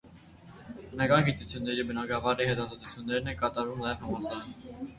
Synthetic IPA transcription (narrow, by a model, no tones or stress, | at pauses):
bənɑkɑnɡit̪ut͡sʰjunːɛɾibənɑɡɑvɑɾihɛt̪ɑzɑt̪ut͡sʰjunːɛɾnɛnkɑt̪ɑɾvumnɑjɛvhɑmɑsɑɾ